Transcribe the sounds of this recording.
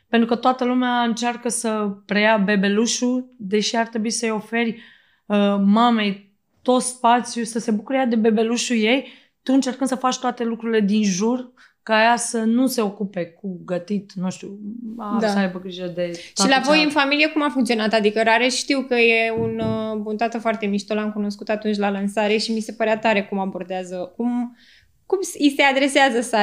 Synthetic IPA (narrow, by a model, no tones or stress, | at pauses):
pent̪ɾukət̪oat̪əlumeaɨnt͡ʃarkəsəpɾe̞jabe̞be̞luʃud̪e̞ʃiart̪ɾe̞buisəjo̞fe̞rʲ | əmame̞j | t̪o̞t̪spat̪sjusəse̞bukuɾəjad̪e̞be̞be̞luʃuje̞j | t̪uɨnt͡ʃe̞rkɨnd̪̥səfat͡ʃʲt̪oat̪e̞lukɾuɾile̞d̪inʒur | kaːjasənuse̞o̞kupe̞k̚uɡət̪it̪nũʃt̪uad̪asəajbəɡɾiʒəd̪e̞tʃailavo̞jɨnfamiliekumafuŋkt̪sio̞nat̪ad̪ikəɾaɾeʃʃt̪iwkəje̞unbunt̪at̪əfoart̪e̞miʃt̪olamkuno̞skut̪at̪unt͡ʃʲlalansaɾe̞ʃimise̞pəɾeat̪aɾe̞kumabo̞rd̪eazəkum | kumsisead̪ɾe̞seazəsa